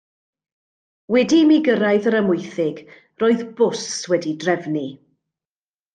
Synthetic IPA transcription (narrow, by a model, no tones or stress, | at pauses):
wɛdimiɡəɾajðəɾəmʊjθɪɡ | roːɨðbʊswɛdidrɛvni